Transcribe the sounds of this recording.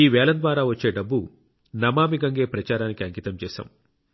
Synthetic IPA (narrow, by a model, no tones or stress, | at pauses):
iːʋɛːlɐnd̪ʋaːɾaːʋɐt͡ʃːe̞ːɖɐbːu | nɐmaːmiɡɐŋɡe̞ːpɾɐt͡ʃaːɾaːnikiɐŋkit̪ɐmt͡ʃɛːʃa̰ːm